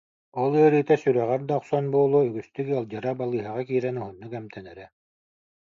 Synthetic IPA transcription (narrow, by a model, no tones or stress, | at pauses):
ɔlˠɯɐɾɯːt̪ɛsyɾœʁɛɾd̪aɔqsɔnbuɔlˠuːyɡyst̪ykəlˠd͡ʑɯɾabalˠɯːɦaʁakiːɾɛnuɦunːukɛmt̪ʰɛnɛɾɛ